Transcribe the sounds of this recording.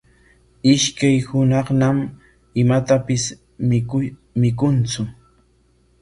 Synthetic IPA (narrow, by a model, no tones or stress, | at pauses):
ɪʃkajhʊnɑχnam | ɪmat̪apɪs | mɪkʊnt͡sʊ